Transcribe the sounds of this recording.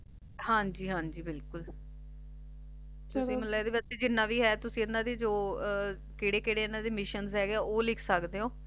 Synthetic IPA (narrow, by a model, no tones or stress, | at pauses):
hãːɲd͡ʒiːɦãːɲd͡ʒiːbɪlkʊl | t̪ʊsĩːməlaːed̪eːbəseːd͡ʒɪnːãːʋiːɦɛːt̪ʊsĩːɪnːãːd̪eːd͡ʒoː | kɪɽeːkɪɽeːɪnːãːd̪eːmɪʃənzɦɛːɡeɛːoːlɪkʰsəkd̪eːoː